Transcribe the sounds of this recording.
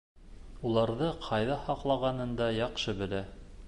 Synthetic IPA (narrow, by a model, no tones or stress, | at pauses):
ulˠɑɾðɤqʰɑjðɑhɑqlˠɑʁɑnɤ̆nd̪ɑjɑqʃɤbɘ̆ɾæ